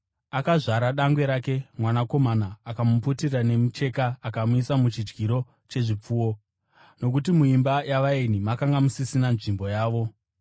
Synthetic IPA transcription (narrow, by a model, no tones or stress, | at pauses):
akaʐaɾaɗaŋɡwe̞ɾaːke̞mwanako̞manaːkamuputirane̞mut͡ʃe̞kaːkamuisamut͡ʃid͡ʒɡiɾo̞ | t͡ʃe̞ʐip͡fuːwo̞ | no̞kutimuimbajaʋaenimakaŋɡamusisinanʐimbo̞jaːʋo̞